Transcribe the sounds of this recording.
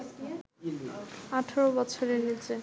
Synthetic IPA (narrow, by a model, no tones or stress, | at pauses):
aʈʰɔɾobɔt͡ɕʰoɾeɦelt͡ɕʰe